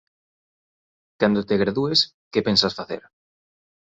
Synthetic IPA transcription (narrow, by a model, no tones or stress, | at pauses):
kand̪ot̪eɣɾaðues | kepensasfaθḛɾ